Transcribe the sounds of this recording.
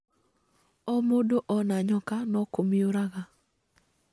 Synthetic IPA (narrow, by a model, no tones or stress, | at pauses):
ɔmodoʔɔnaɲɔkanɔkomioɾaɣa